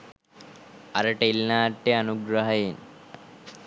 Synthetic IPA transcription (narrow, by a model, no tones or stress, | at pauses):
ɐɾɐʈeilnaːʈːeɐnuɡɾɐɦɐjen